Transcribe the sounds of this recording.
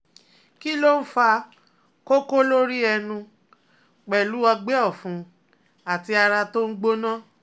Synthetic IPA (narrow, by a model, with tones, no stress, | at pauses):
ki˦lo˦n̩˦fa˧ | ko˦ko˦lo˦ɾi˦ɛ˧nũ˧ | k͡pɛ˨lu˨˦a˧ɡ͡bɛ˦ɔ˦˨fũ˨˧˦ | a˨ti˧a˧ɾa˧to˦n̩˦ɡ͡bo˦nã˦